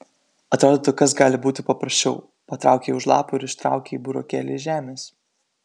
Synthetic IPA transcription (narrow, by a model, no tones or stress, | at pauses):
ɐt̪ɾoːd̪oːt̪okɐsɡɑːlʲɪbuːt̪ʲɪpɐpɾɐsʲt͡ʃʲɛʊ | pɐt̪ɾɑ̰ˑʊkʲeːʊʃlˠɑːpuːɪɾɪʃt̪ɾɑ̰ˑʊkʲeːiːbuɾo̰ːkʲæ̰ːlʲḛʒʲæːmʲeːs